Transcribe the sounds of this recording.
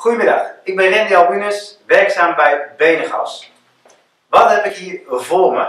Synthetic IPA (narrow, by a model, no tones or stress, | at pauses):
χujəmɪdɑ̰χɪɡ̚bɛnrɛndialˠbynəsʋɛrksaːmbɛjbejnəχɔ̰ws | ʋɔtɦɛpɪkiəvoːmə̰